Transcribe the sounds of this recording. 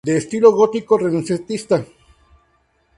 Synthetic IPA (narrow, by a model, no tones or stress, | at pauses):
d̪e̞ːst̪iloɣot̪ikorenonset̪ist̪a